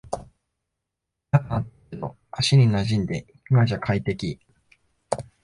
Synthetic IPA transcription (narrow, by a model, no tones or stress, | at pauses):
t̪akaat | no̰ | aɕinʲinaʑĩnd̪e̞ikɯɡaʑakʰait̪e̞kʲi